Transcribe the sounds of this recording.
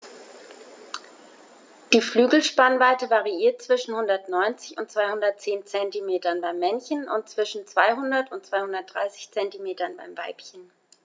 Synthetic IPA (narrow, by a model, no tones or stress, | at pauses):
d̥iːflyːɡl̩ʃpanvaɪtəvaʁiiːɐt̚t͡sv̥ɪʃn̩hʊndɐtnɔʏnt͡sɪçʊnt̚t͡sv̥aɪhʊndɐt̚t͡seːnt͡sɛntimeːtɐnbaɪmːɛnçənʊ̰nt̚t͡sv̥ɪʃn̩t͡sv̥aɪɦʊndɐtʊnt̚t͡sv̥aɪhʊndɐt̚d̥ʁa̰ɪsɪ̥çt͡sɛntimeːtɐnba̰ɪmva̰ɪpçən